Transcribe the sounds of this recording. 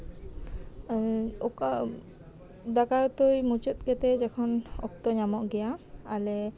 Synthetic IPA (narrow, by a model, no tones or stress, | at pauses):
ɔk | d̪akajɔt̪ujmut͡ʃɔt̪̚ˀɡɛt̪ɛd͡ʒɛkʰɔnɔ̰k̚t̪ɔɲamɔʔɡɛjaːlɛ